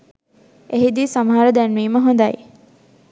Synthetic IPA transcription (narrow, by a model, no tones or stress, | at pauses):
eɦid̪iːsɐmɐɦaɾəd̪ænʋiːməɦõnd̪aj